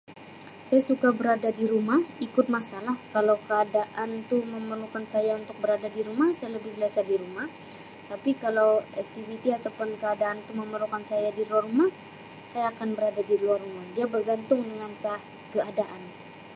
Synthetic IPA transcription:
sajasukabəɾadadiɾumahikʊt̪̚masalahkalawkəadaʔant̪uməmərlukansajaunt̪ʊk̚bəɾadadiɾumahsajaləbɪhsəlasadiɾumah | t̪apikalawak̚t̪ivit̪iat̪awpʊnkəadaant̪uməməɾlukansajadiluarumah | sajaːkanbəɾadadiluarumahdiabərɡant̪ʊŋdəŋanka | kəadaʔan

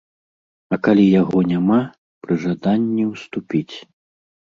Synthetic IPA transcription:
ɐkalʲijaɣɔnʲama | pɾɨʐad̪anʲːiwst̪upʲit͡sʲ

